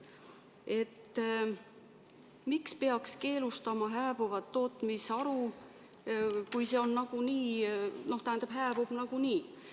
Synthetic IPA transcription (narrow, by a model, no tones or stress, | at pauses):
e̞t̪ː | mikspe̞ɑkske̞ːlust̪ɑmɑɦæːb̥uvɑt̪ːo̞ːt̪ˑmisɑɾu | kujse̞o̞nːɑɡ̥uniːno̞ht̪æhænd̪ɑb̥ɦæːb̥ub̥nɑɡ̥uniː